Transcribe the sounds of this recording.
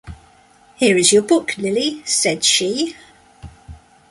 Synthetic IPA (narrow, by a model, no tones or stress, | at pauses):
hɪəɹɪzjəbʊkʰlɪlisɛd̥ʃi